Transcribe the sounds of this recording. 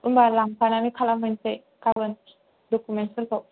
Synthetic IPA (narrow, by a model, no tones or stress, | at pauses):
unbalampanamikʰalamɯnse | kabən | dɔkumɛn̚səlkɔ